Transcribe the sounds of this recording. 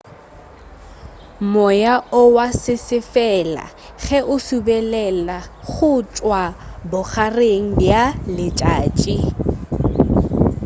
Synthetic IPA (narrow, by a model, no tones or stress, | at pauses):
mɔjaʊwasɪsɪfɛla̰ | χɛʔʊsubɛlɛlaχʊt͡ʃʼwabʊχareŋ̩bjalɪt͡ʃʼaːt͡ʃʼi